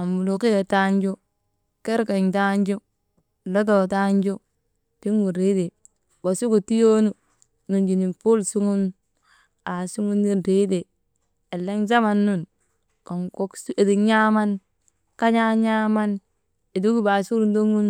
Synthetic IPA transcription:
a˨mbu˨lo˨ki˦ja˨ta˦ɲd͡ʒo˦ | ke˦ɾka˨ɲta˦ɲd͡ʒo˦ | lo˦do˨ta˦ɲd͡ʒo˦ | ti˦ŋɡu˨ɾi˦de˨ | bo˨su˦ku˨ti˦jo˦nu˦ | nu˨ɲd͡ʒi˨ni˨pu˦lsu˦ŋu˦n | a˨su˦ŋu˦nːi˦nɾi˦de˨ | e˨lːa˦nza˦ma˨nːu˦˨n | ko˨ŋko˦kse˨di˨ɲa˦ma˦n | ka˦ɲa˦ɲa˦ma˦n | e˨du˦ki˦ba˨su˦ɾu˨˦ndu˦ŋu˦n

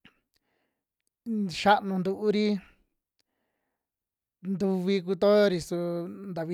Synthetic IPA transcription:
ʃa˦ʔnũ˧nd̪u˧ʔu˦ɾi˦ | nd̪u˧βi˧k̬u˧t̪o˦jo˧ɾi˧su˧nd̪a˧βi˧

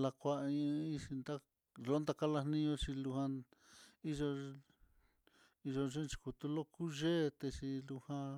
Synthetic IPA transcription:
la˧kʷa˧ʔĩ˧ĩ˦˧ʃi˧nd̪a˦ | lo˦nd̪a˧ka˦lḁ˧nĩ˧õ˧t͡ʃi˧lu˧hã˧ | i˦ʒo˧ | i˧ʒo˧ʐe˦nt͡ʃi̥˧ku˧t̪u˧lo˦ku˦ʒe˦˧t̪e˧t͡ʃi˧lu˧hã˧

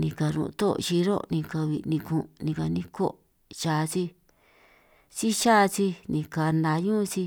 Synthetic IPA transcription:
nĩ˧ka˧ɾṵ̃˧˨˧t̪o̰˦˨˧ʃi˧ɾo̰˦nĩ˧ka˧βi˧˨nĩ˧kũ˧˨˧nĩ˧ka˧nĩ˦ko˦ | ʃa˧t͡si˦ | t͡si˦ʃa˦˧t͡si˦nĩ˧ka˧nd̪a˧ɲũ˦˧t͡si˧

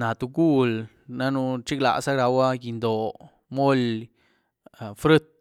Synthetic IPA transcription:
na˨t̪u˧ɡu˦l | na˦nu˧t͡ʃi˦kla̰˨ʔsa˦ɡɾa˧wa˦ji˧nd̪o˨ | mo˦l | fɾɨ˦t̪̚

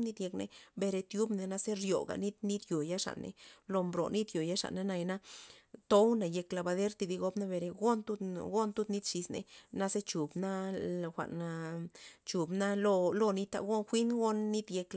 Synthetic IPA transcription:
ni˦d̪je˧knḛ˨be˧ɾe˧t̪ju˦bne˧na˧ze˦ɾjo̰˨ɡa̰˨ni˦d̪ni˦d̪jo˨ja˦ʂa̰˨nʔḛ˨lo˧mbɾo̰˨ni˦d̪jo˨ja˦ʂa̰˨ʔne˧˦na˧jna˦t̪o˦wna˨je˧kla˧ba˧d̪e˦ɾt̪i˧d̪i˧ɡo˧bna˦be˨˧ɾe˧ɡo˦nt̪u˦ɡo˦nt̪u˦ni˦d̪ʂi˧snḛ˨na˧ze˦t͡ʃu˨bna˦˨xʷa̰˨ʔna˧ | t͡ʃu˨bna˦lo˧lo˧ni˧t̪a̰˧ɡo˦nxʷi˦nɡo˦nːi˦d̪je˧k

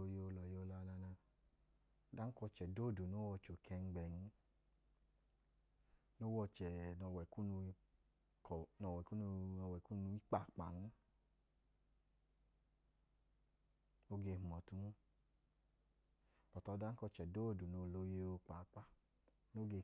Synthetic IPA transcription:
o˧je˧o˧lɔ˨je˦˧o˧la˧la˧na˧˦ | da˦ŋ̩˦kɔ˧t͡ʃɛ˨do˦˨du˨no˦wɔ˧t͡ʃo˨kʰɛ˧ŋ̩˧ɡ͡bɛ˨n̩˦ | no˦wɔ˧t͡ʃɛ˨nɔ˨wɛ˨ku˦nu˧˦ | knɔ˧˨wɛ˨ku˦˧ɔ˧wɛ˨ku˦nu˧i˦k͡pa˨k͡pa̰˨n̩˦ | o˦ɡe˧h̩˨mɔ˨tu˦n˦˨ | pɔ˨tɔ˧˦da˦ŋ̩˦kɔ˧t͡ʃɛ˨do˦˨du˨no˧˨lo˧je˧˦o˧k͡pa˨˦k͡pa˧˨ | no˦ɡe˧˨

